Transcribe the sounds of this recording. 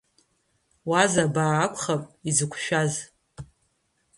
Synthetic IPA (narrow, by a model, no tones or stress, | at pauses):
wazabaːkʷʰʼχapʼizɨkʷʰʃᶣaz